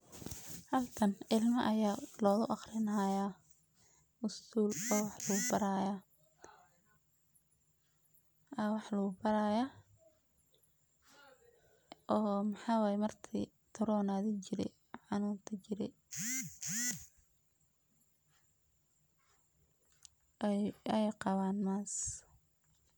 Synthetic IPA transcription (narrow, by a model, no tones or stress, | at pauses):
hɐlk̪ʰɐnɪlmɐʔɐjaːlɔːðʊʔɑχɾɪnɐɦajaː | ʔʊst̪ʰuːlɔːwɑħlɐɣʊbɐɾaːjaː | ʔɐwɑħlɐɣʊbɐɾaja | ʔɔːmɑħɑːwaːjɛmɐrt̪ʰi | t̪ʰɐɾɔːnaːðɪt͡ʃɪɾɛ̰ | ħɑnuːnt̪ʰɐt͡ʃɪɾɛ̰ | ɛjɛjqɑβaːnmaːs